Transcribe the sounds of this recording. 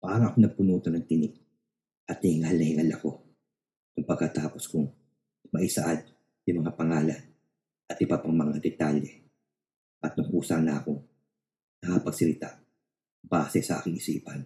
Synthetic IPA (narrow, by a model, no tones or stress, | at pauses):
paːɾɐʔɐkonɐɡ̚pʊnuːt̪onɐŋt̪ɪnɪk̚ | ʔɐt̪̚nɐhɪŋalnɐhɪŋalɐko̞ | kʊŋpɐɡ̚kɐt̪aːpo̞skʊŋ | mɐʔisɐʔad̪̚ | jʊmɐŋapɐŋaːlɐn | ʔɐt̪ʔɪbapɐŋmɐŋad̪ɛt̪aljɛ | ʔɐt̪̚nʊŋʔuːsɐnaːkoŋ | nɐkɐpɐɡsɐlɪt̪a | b̥aːsɛsɐʔa̰ːkɪŋʔɪsiːpɐn